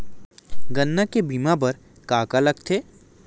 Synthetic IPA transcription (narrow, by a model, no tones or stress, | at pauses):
ɡɐnːakebiːmãbɐɾ | kaːkalɐɡt̪ʰeː